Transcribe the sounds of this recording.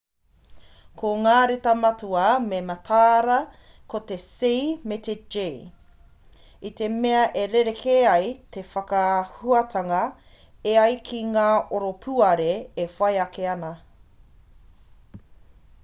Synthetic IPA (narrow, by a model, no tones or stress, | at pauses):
kʰoŋaːɾet̪ɐmɐtuɐmemɐtʰaːɾɐ | kot̪e̞simet̪ed͡ʒe | it̪e̞meɐʔeɾeɾekʰeɐjt̪e̞fɐkɐhuɐtʰɐŋɐ | eɐjkʰiŋaːʔoɾopʰuɐɾeːfɐjɐkeɐnɐ